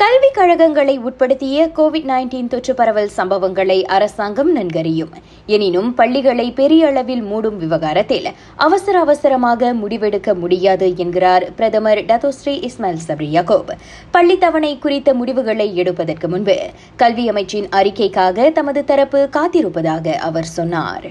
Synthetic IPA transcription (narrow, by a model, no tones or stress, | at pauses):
kɐlʋɪkɐɻɐɣɐŋɡɐɭɐɪuːʈ̚pɐɽɯt̪ːɪjɐkoːʋɪɖnɐːɪnʈiːnt̪ɔʈrɯpɐɾɐʋɐlsɐmbɐʋɐŋɡɐɭɐɪʔɐɾɐsaːŋɡɐmnɐnɡɐɾɪjɯm | ɛnɪnɯmpɐɭːɪɣɐɭɐɪpɛɾɪjɐɐɭɐʋɪlmuːɽɯmʋɪʋɐɣaːɾɐt̪ːɪl | ʔɐʋɐsɐɾɐːʋɐsɐɾɐmaːɣɐmʊɽɪʋɛɽɯkːɐmʊɽɪjaːðɯɛnɡɪɾaːɾpɪɾɐðɐmɐɾɖɐt̪oːsɾiʔɪsmelsɐbɾijaːkoːb | pɐɭːɪt̪ːɐʋɐɳɐɪkʊɾɪt̪ːɐmʊɽɪʋɯɣɐɭɐɪɛɽɯpːɐðɐrkɯmʊnbɯ̰ | kɐlʋɪɐmɐɪt͡ʃːɪnɐɾɪkːɐɪkːaːɣɐt̪ɐmɐðɯt̪ɐɾɐpːɯkaːt̪ɪɾɯpːɐðaːɣɐʔɐʋɐɾsɔnːa̰ːɾ